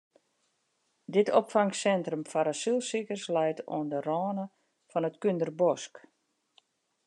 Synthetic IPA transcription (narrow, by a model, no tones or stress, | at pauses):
dɪtʰopfaŋsɛntrəmfaɾasilˠsikərslɛjtʰo̰əndərɔːnə | fɔnətkyndərbɔsk